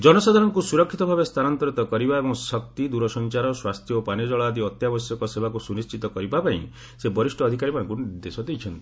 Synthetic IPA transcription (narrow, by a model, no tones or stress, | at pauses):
d͡ʒɔnɔsad̪ʱaɾɔŋkusuɾɔkʰːit̪ɔbʱabest̪ʰanant̪ɔɾit̪ɔkɔɾibaebɔŋsɔk̚t̪id̪uɾɔsɔnt͡ʃaɾɔswast̪ʰjɔopanjɔd͡ʒɔɭaːd̪iɔt̪jabɔsjɔkɔsebakusunist͡ʃit̪ɔkɔɾibapaḭ̃ | sebɔɾisʈɔɔd̪ʱikaɾimanɔŋkunid̪esɔd̪ejt͡ʃʰɔnt̪i